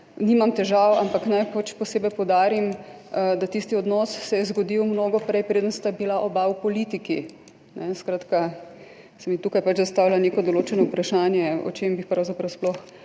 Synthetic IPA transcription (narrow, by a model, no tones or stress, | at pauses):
nimamt̪ɛʒawampaknajpat͡ʃpɔseːbɛjpɔwd̪aːɾimd̪at̪ist̪iɔd̪nɔsːɛjɛzɡɔd̪iwmnoːɡɔpɾɛjpɾeːd̪ənst̪abilaʔobawpɔlit̪iki | nɛskɾaːt̪ka | sɛmit̪uːkajpat͡ʃzast̪aːwlaneːkɔd̪ɔloːt͡ʃɛnɔupɾaʃaːnjɛɔ̰t͡ʃembixpɾawzapɾawsplɔx